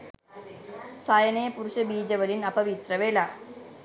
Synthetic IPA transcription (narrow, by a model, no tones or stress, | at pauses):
sɐjɐnɐjɐpuɾuɕɐbiːd͡ʑɐʋɐlinɐpɐʋit̪rɐʋelɐ